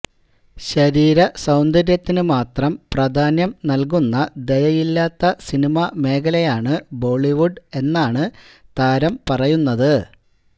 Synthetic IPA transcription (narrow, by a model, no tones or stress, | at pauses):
ɕɐɾiːɾɐsɐwnd̪ɐɾjɐt̪ːinɨmaːt̪rɐmprɐd̪ʱaːnjɐmnɐlk̬unːɐd̪e̞jɐjilːaːt̪ːɐsinimɐme̞ːkɐlɐjaːɳɨbo̞ːɭiʋuɖe̞nːaːɳɨ | t̪aːɾɐmpɐrɐjunːɐðɨ